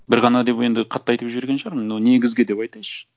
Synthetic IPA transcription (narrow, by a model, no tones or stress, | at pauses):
bɪɾʁɑnɑd̪e̞pe̞nd̪ɪqʰɑt̪ːɑjt̪əpʒʏɾɡʲe̞nʃɑɾmənːone̞ɡʲɪzɡʲɪd̪e̞pɑjt̪ɑjʃə̥